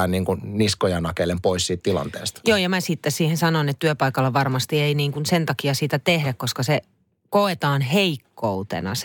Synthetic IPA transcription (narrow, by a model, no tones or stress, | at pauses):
ænniːŋkunniskojɑnɑkelempoissiːt̪t̪ilɑ̰nt̪ḛːst̪joːjɑmæsit̪ːessiːhensɑnonet̪t̪yøpɑikɑlːɑʋɑrmɑst̪ieiniːŋkunsent̪ɑkiɑsit̪æt̪ehdækkoskɑse | koet̪ɑːnheikːout̪ḛnɑ̰s